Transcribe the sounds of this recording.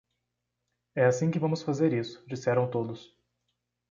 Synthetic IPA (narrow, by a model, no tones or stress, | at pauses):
ɛasĩkɪvɐ̃mʊsfazeɾisʊ̥d͡ʒisɛɾɐ̃w̃t̪od̪ʊs